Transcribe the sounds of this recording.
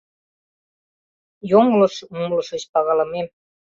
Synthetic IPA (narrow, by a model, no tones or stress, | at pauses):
joŋlɤ̆ʃumlɤ̆ʃə̆ɕpɑɣɑlɑmem